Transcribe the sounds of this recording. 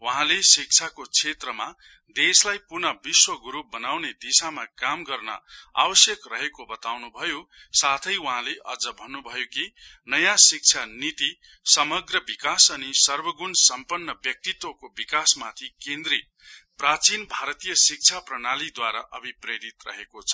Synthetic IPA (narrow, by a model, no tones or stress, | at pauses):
wʌɦãlesik̚t͡sʰakot͡sʰet̪rʌma | d̪eslajpurnʌbiswʌɡuɾup̚bʌnawned̪isamakamɡʌrnʌ̰a̰bʌsjʌkrʌɦekobʌt̪awnubʱʌjosat̪ʰʌjwʌɦãleʔʌd͡zʌbʱʌnːubʱʌjokinʌjasik̚t͡sʰanit̪i | sʌmʌɡrʌbikasʌnisʌrbʌɡunsʌmpʌnːʌbjʌk̚t̪it̪wʌkobikasmat̪ʰikend̪ɾi | prat͡sinbʱaɾʌt̪ijʌsik̚t͡sʰaprʌnalid̪waɾaʔʌ̰bʱipreɾit̪rʌ̰ɦekot͡sʰʌ̥